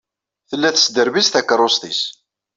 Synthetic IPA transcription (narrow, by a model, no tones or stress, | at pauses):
θəlːæθə̥sd̪əɾvist̪ækːəɾˤost̪is